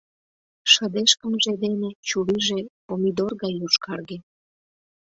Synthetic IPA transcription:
ʃəd̪eʃkəmʒed̪enet͡ɕuliʒekomid̪orɣɑjuʃkɑrɣe

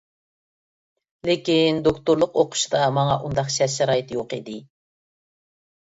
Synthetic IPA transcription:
lekʲind̪okt̪ʊɾlˠəqoqʰʊ̥ʃd̪ɑmɑŋɑʔund̪ɑqʃɛsʃɛɾɑːjɪt̪ʰjoqid̪ɪ

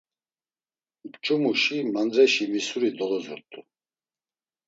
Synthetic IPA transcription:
bt͡ʃʼumuʃimand͡zɛʃimisuɾid̪ɔlɔzɔɾt̪ʰʼu

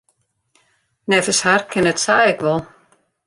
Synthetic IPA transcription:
nɛfəsharkʰɪnɛtsaːɛkʋɔlˠ

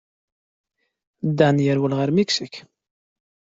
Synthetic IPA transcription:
d̪ænjəɾwəlʁəɾmiksik

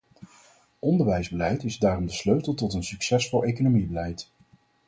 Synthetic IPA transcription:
ʔɔndəɹʋɛjzbəlɛjtɪzdaːrɔmdəsløɥtəlˠtɔtənsyksɛsfɔlˠejkonomibəlɛjt

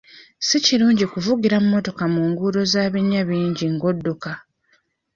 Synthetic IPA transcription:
siciɾuːɲɟikuvuɡiɾamumːo̞to̞kamuːŋɡuɾo̞zaːβiɲːaβiːɲɟiŋɡo̞dːuka

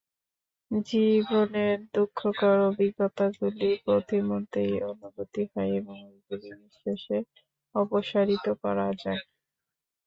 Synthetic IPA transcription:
d͡ʑiboneɾd̪ukʰːokaɾobiɡːot̪aɡulipɾot̪imont̪ɾijonubot̪iɦɔeeboŋɡuliniʃeʃe | ɔpoʃaɾit̪okɔɾad͡ʑae

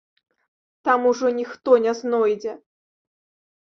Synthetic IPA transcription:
t̪amuʐɔnʲixt̪ɔnʲɛznɔjd͡zʲɛ

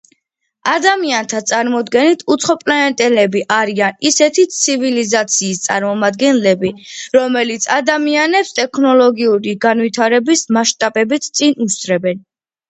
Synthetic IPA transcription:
ad̪amiant̪ʰat̪sʼaɾmɔd̪ɡɛnit̪ʰut̪sʰχɔpʼlɛɛnt̪ʼɛlɛbiʔaɾianisɛt̪ʰit̪sʰivilizat̪sʰiːst̪sʼaɾmɔmad̪ɡɛnlɛbiɾɔmɛlit̪sʰad̪amianɛpst̪ʼɛkʰnɔlɔɡiuɾiɡanvit̪ʰaɾɛbismaʃt̪ʼabɛbit̪ʰt̪sʼinusd̪ɾɛbɛn

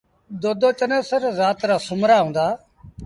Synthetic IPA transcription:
d̪oːd̪oːt͡ʃənẽːsəɾzaːt̪ɾaːsʊmɾaːɦũːnd̪aː

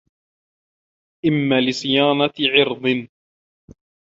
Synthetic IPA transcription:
ʔɪmːaːlɪsˤɨjaːnɑʕɪɾd̪ˤɨn

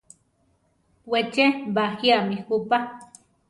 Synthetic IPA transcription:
wet͡ʃebaxiamixupa

